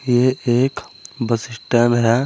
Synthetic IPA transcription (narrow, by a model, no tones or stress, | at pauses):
jeeːkbəsɪsʈɛ̃ːnɦɛ